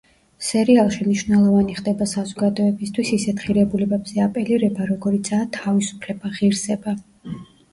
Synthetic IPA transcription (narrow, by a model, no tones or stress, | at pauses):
sɛɾialˠʃimniʃvnɛlˠɔvaniχd̪ɛbasazɔɡad̪ɔɛbist̪ʰwisisɛt̪ʁiɾɛbulɛbɛbz̥ɛapʼɛliɾɛbaɾɔɡɔɾit̪sʰaːt̪ʰavisu̥pʰlɛbaʁiɾsɛba